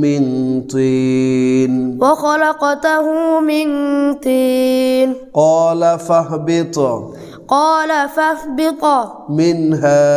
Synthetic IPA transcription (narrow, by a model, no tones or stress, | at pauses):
mɪn̩t̪iːnwaxɔlaqɑtaɦumɪnt̪iːnqɔːlafahbɪt̪ɔ | qɑːlafahbɪt̪ɔ | mɪnɦaː